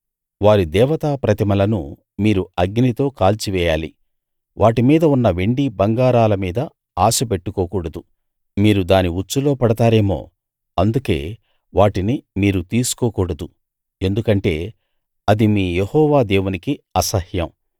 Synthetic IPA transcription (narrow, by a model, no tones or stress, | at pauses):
ʋaːɾid̪ɛːʋɐt̪aːpɾɐt̪imɐlɐnu | miːɾuɐɡnit̪o̞ːkaːlt͡ʃiʋɛːjaːli | ʋʔaːʈimiːd̪ɐunːɐʋeɳɖibɐŋɡaːɾaːlɐmiːd̪ɐ | aːsɐpe̞ʈːukɔːkuːɽɐd̪u | miːɾud̪aːniut͡ʃːulo̞ːpɐɽɐt̪aːɾe̞ːmo̞̰ː | ɐnd̪uke̞ː | ʋaːʈinimiːɾut̪iːsu̥kɔːkuːɽɐd̪u | e̞nd̪ukɐɳʈe̞̰ː | ɐd̪imiːjehɔːʋaːd̪eːwunikiɐsɐhjɐm